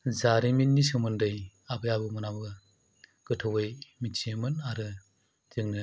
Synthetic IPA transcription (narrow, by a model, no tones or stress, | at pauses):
zaɾiminːisumɯndɯj | abɯjabɯmɯnabɯ | ɡ̥ɯtʰɔwɯjmit͡ʃimɯnaɾɯ | tɯŋnɯ